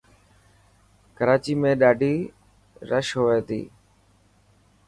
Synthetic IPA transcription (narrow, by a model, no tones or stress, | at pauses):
kəɾaːt͡ʃiːmẽːɗaːɖʱiː | ɾəʃɦoːʋeːt̪ḭː